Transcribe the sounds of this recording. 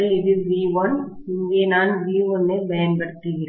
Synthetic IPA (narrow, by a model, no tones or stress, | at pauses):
ɪðɯʋiːʋɔn | ɪŋɡeːnaːnʋiːʋɔnːebɐjɐnbɐɽɯt̪ːɯʋɪɾe